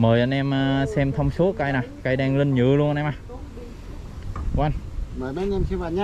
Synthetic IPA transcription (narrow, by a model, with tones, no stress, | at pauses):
məː˨˩jʔa˧jnʔɛ˧msɛ˧mt̪ʰə˧wŋ͡mso˨˦ka˧jna˨˩ka˧jɗaː˧ŋlï˧ŋɲɨ̰˧˨lu˧ənʔʔɛː˧maː˨˩ | kwwa˧nməː˨˩jɓa˨˦nɛ˧msi˧va˧˨˩ɲ˦